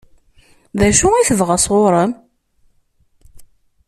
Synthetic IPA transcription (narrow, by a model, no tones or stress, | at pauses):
ðæʃuiθəvʁəsˤʁʊɾˤəm